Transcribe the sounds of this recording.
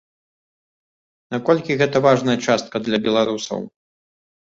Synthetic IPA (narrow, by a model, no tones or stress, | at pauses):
nakɔlʲkʲiɣɛt̪ɐvaʐnɐjɐt͡ʂast̪̚kɐd̪lʲɐbʲɛlˠaɾusɐ̰w